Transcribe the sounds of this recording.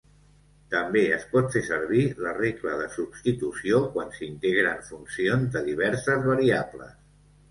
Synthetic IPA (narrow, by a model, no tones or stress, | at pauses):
t̪əmbeəspɔt̪fesəɾβ̞ilərekləðəsubst̪it̪usiokwansint̪eɣɾəɱfunsionzd̪əðiβ̞ɛɾsəzβəɾiablə̰s